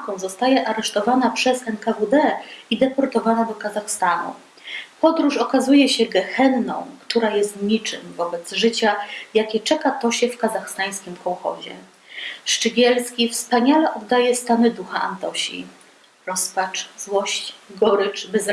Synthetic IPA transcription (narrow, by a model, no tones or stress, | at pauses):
kɔ̃w̃zɔst̪ajɛʔaɾɛʂt̪ɔvanapʂɛsɛnkavud̪ɛid̪ɛpɔɾt̪ɔvanad̪ɔkazaxst̪anṵ | pɔd̪ɾuʂɔkazujɛɕɛɡɛxɛnːɔ̰̃w̃kt̪uɾajɛst̪ɲit͡ʂɘ̰mvɔbɛt̪zʐɘt͡ɕajakʲɛt͡ʂɛkat̪ɔɕɛfkazaxst̪aj̃skʲimkʰɔwxɔ̰ʑɛ̰ | ʂt͡ʂɘɡʲɛlskʲifspaɲalɛʔɔd̪ːajɛst̪anɘd̪uxaa̰nt̪ɔɕḭ | ɾɔspat͡ʂzwɔɕt͡ɕɡɔɾɘt͡ʂbɛz